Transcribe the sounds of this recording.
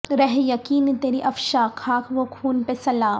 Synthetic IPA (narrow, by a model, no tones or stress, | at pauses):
ɾɛɦjɐkiːnt̪eːɾiʔɐfʃakʰaːkʰʋokʰuːnpesɐlaːm